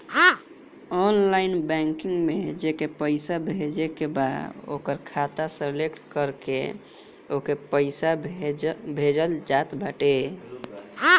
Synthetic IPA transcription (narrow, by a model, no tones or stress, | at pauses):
ɔnlaɪinbɛŋkiŋɡmed͡ʒekepəɪsabʱed͡ʒekebad̪o̰kəɾkʰat̪aselekʈkəɾkḛ | okepəɪsabʱbʱed͡ʒəld͡ʒat̪baʈe